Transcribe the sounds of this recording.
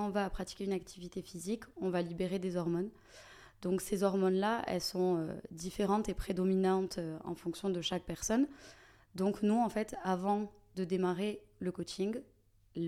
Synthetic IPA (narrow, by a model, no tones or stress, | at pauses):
ɔ̃vaːpχat̪i̥kʲeynak̚t̪ʰivit̪efizikɔ̃valibeʁed̪ezɔʁmɔn | d̪ɔ̃ksezɔʁmɔnlaɛ̰lsɔ̃ø̰d̪ifeʁɑ̃t̪epχed̪ɔminɑ̃t̪øɑ̰̃fɔ̃ksjɔ̃d̪əʃak̚pɛʁsɔn | d̪ɔ̃knuɑ̃fɛt̪avɑ̃ | d̪əd̪emaʁeləkɔt͡ʃĩɡ